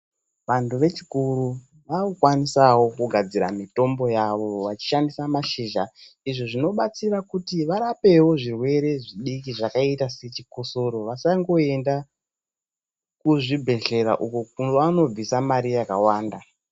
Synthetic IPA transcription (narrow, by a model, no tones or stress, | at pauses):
ʋantuʋe̞t͡ʃikuɾu | ʋaukwanisawo̞kuɡʱad͡ziɾamito̞mbo̞jaʋo̞ʋat͡ʃi̥ʃandisamaʃiʒa | iʐoʐino̞ɓat͡sirakutiʋaɾape̞wo̞ʐirwe̞ɾe̞ʐiɗikiʐakaitase̞t͡ʃikoso̞ɾo̞ʋasaŋɡo̞e̞nda | kuʐibʱe̞ɮe̞ɾa̰ʔukokunoano̞b͡visamaɾijakawaːnda